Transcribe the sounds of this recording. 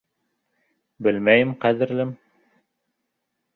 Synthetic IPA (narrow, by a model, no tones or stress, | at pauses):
bɘlmæjɘmqæðɘ̆ɾlɘm